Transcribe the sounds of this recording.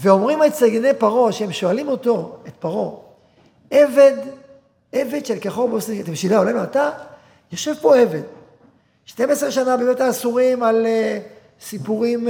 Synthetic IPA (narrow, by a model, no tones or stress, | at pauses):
veo̞mʁimalt͡seɡenejpaʁo̞ʃehemʃo̞alimo̞t̪o̞et̪paʁo̞ | eved̪ | eve̞d̪ʃelkeχovbosnikt̪emʃilaolanuata | joʃevpo̞e̞ve̞d̪ | ʃtemesʁeʃanabemetaːsuʁimal | sipuʁim